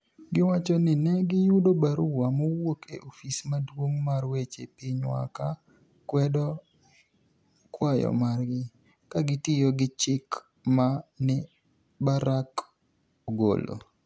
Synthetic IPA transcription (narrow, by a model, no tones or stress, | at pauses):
ɡɪwat͡ʃɔnɪnɛɡɪjʊdobaɾʊwamowokeʔofismadwoŋmarwet͡ʃḛpɪɲwa̰ka | kwɛdɔ | kwajɔ̰marɡɪ | kaɡɪtɪjɔɡɪt͡ʃɪk | manɪ | baɾak | oɡo̰lo̰